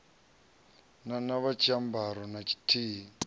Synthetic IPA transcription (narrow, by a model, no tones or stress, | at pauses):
nanaβat͡ʃʰʼambaɾɔnat͡ʃʰi̥tʰiːɦi